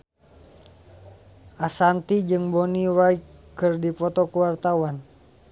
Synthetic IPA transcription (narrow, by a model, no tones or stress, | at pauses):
ʔasant̪id͡ʒɨŋbɔniwajkkɨrdipɔt̪ɔkuwart̪awan